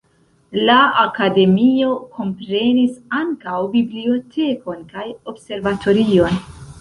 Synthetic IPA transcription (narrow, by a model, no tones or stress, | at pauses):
laakade̞mio̞kʰo̞mpɾe̞nisaŋkawbiblio̞tʰe̞ko̞nkajo̞bse̞ɾvatʰo̞ɾio̞n